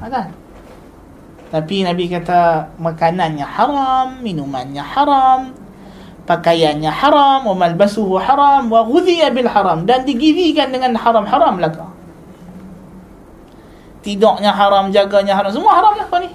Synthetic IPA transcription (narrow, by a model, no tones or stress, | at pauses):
ak̪an | t̪apinabikat̪amakananɲaħaɾamːinumanɲaħaɾam | pakajanɲaħaɾamwamalbasuɦuħaɾˤamwaɣuðiabilħaɾamdandiɡivikandəŋanħaɾamħaɾamlaka | t̪idɔʔɲaɦaɾamd͡ʒaɡaɲaɦaɾams̬əmuahaɾamlahkani